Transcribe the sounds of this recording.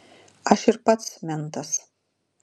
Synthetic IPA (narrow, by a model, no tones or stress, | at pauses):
ɐʃɪrpɐt̪smʲɛnt̪ʰɐs